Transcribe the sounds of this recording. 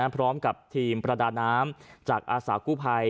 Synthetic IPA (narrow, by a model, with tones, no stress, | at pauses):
pʰɾɔː˦˥mka˨˩p̚t̪ʰiː˧mpɾa˧daː˧nːaː˦˥mt͡ɕaː˨˩k̚ʔaː˧saː˩˦kuː˥˩pʰa˧j